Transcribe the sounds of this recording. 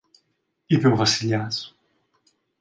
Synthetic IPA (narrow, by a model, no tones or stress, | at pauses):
ipewvɐsiʎas